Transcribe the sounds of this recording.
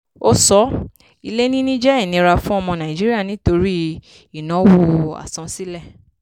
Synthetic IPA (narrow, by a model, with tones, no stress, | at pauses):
o˦sɔ˦ | i˧le˦nĩ˦nĩ˦d͡ʒɛ˦i˦˨nĩ˨˧˦ɾa˧fũ˦ɔ˧mɔ̃˧nã˨i˨d͡ʒi˦ɾi˦a˦˨nĩ˦to˧ɾi˦ | i˦˨nɔ̃˨˦woo˧a̰˨sɔ̃˨˧si˦lɛ˦˨